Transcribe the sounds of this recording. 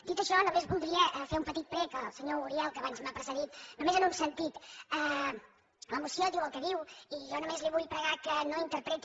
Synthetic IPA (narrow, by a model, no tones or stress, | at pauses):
d̪it̪əʃɔnomezβulˠd̪ɾiəʔfeumpət̪it̪̚pɾɛkəlˠsəɲouɾiɛlˠkəβanzmapɾəsəðit̪numezənunsənt̪it̪ə | ləmusioðiwəlˠkəðiwiʒɔnumezliβujpɾəɣakənoint̪əɾpɾet̪